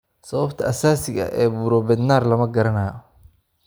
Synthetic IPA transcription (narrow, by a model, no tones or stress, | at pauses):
sɐβɐbt̪ʰɐʔɐsaːsɪɣɐ̰ʔɛːbuːɾɔbɛd̪naːrlɐmɐɡɐɾɐnaːj